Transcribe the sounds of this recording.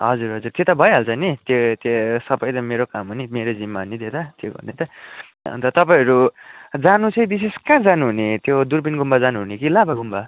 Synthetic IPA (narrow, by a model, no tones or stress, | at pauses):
ɦʌd͡zuɾɦʌd͡zurt̪jet̪abʱʌjɦʌlt͡sʰʌnit̪jet̪jesʌbʌjt̪ʌmeɾokamɦunimeɾod͡zimːaunid̪et̪ʌt̪jeɡʌ̰rnet̪ʌ | ʌ̰nt̪ʌt̪ʌpaĩʌɾud͡zanut͡sʌj̃bis̬eskãd͡zanuɦunet̪jod̪uɾbinɡumbad͡zanuɦunekilabaɡumba